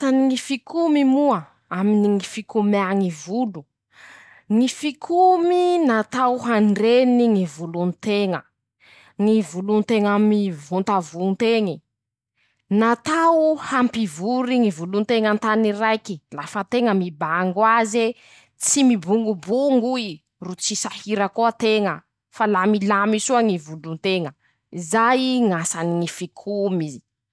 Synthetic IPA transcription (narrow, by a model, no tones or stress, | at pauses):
t̪aniŋifikʰumimuə | aminiŋifikumiaŋivulu | ŋifikʰuminat̪awɦanɖ͡ʐeniŋivulunt̪eŋə | ŋivulunt̪eŋamivunt̪avuŋt̪eŋi | nat̪awhampivuɾiŋivulunt̪eŋant̪aniɾajkilafət̪eŋəmibaŋɡwaze | t͡simibuŋɡubuŋɡui | rut͡sisahiɾəkoat̪eŋə | falamilamisuaŋivulunt̪eŋə | izajiŋasaniŋifikʰumizi